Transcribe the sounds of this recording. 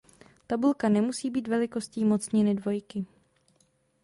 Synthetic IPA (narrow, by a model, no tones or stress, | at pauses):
t̪abulkanɛmusiːbiːt̪vɛlɪko̞sciːmo̞t͡sɲɛnɪdvo̞jkɪ